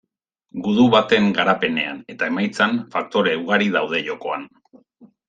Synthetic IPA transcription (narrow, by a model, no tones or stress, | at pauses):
ɡuðuβat̪e̞ŋɡaɾape̞ne̞a̰ne̞t̪ae̞majt͡sanfak̚t̪o̞ɾeuɣ̞aɾiðawð̞e̞ʝo̞ko̞an